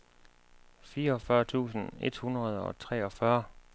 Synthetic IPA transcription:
fiːɐɒ̽fɶɐt͡sʰṵːsn̩e̝d̥hunʁɐð̞ˠɒ̽t͡sʰʁɛ̰ːɒ̽fɶɐ

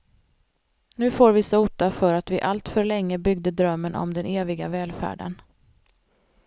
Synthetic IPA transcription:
nʉ̟ːfoːɾvɪsauːt̪afœɾat̪vɪʔalt̪fœɾɭɛŋːəbʏɡd̪əd̪ɾœmːənʔɔ̰md̪ɛnʔeːvɪɡavɛːlfæ̰ːɖə̰n

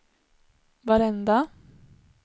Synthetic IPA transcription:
vaɾɛnd̪a

